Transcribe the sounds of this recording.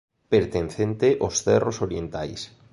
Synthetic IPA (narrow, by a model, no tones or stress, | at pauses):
peɾt̪enθent̪eʔosθɛrosoɾjent̪ajs